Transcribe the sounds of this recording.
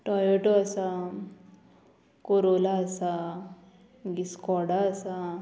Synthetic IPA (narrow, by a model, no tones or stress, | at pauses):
ʈɔjeʈoasa | koɾolaːsa | ɡiskɔɽaəsa